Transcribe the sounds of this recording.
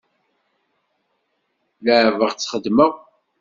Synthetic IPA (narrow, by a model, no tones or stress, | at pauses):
ləʕvəʁt͡sːχəd̪ːməʁ